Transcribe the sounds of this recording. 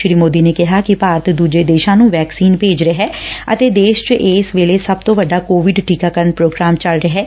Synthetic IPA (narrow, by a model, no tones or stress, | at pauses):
ʃɾiːmoːd̪iːneːkɪɦaːkɪpaːɾt̪ʰd̪uːd͡ʒeːd̪eːʃãːnũːʋɛːksiːnpeːd͡ʒɾəɦɛːə̰t̪eːd̪eːʃt͡ʃʔeːsʋeːleːsəb̚t̪õːʋəɖːaːkoːʋɪɖʈiːkaːkəɾənpɾoːɡɾaːmt͡ʃəlɾəɦɛː